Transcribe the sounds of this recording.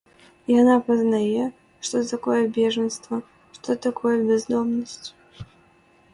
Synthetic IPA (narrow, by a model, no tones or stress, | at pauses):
janapɐznajɛ | ʂt̪ɔt̪akɔjɛbʲɛʐənst̪vɐ | ʂt̪ɔt̪akʰɔjɛbʲɛzd̪ɔmnəsʲt͡sʲ